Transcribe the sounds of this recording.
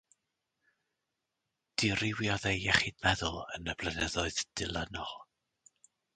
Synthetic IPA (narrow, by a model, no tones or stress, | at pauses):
d̥ɪrɪwjɔðejɛχidmɛðʊlˠənəblˠənɛðɔɨðd̥ɪlˠənɔ